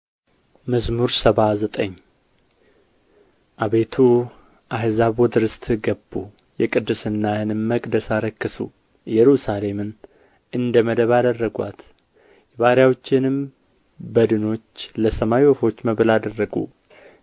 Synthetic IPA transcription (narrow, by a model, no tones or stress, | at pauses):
məzmuɾsəβazət̪ʼəɲː | ʔaβe̞t̪ʰu | ʔaɦzaβɔd̪ɨɾɨst̪ʰʼɡəbːu | jɛkʼɨd̪ːɨsɨnːahɨnɨmməkʼd̪əsaɾəkːɨsṵ | jɛɾusale̞mɨn | ʔɨnd̪əməd̪əβad̪ərːəɡʷa̰t̪ | jɛβaɾjawot͡ʃːɪnɨm | bəd̪ɨno̞t͡ʃːləsəmawiofo̞t͡ʃːməβɨlad̪ərːəɡṵ